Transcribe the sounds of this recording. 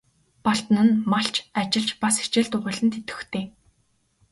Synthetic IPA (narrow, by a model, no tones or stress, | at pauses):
pɔɬt̪nɘ̆nmaɬt͡ɕat͡ɕɪ̆ɮt͡ɕpasi̥t͡ɕɪ̆ɮt̪ʊʁə̆ɮɘ̆nt̪ʰet̪ɘ̥̆xt̪ʰeː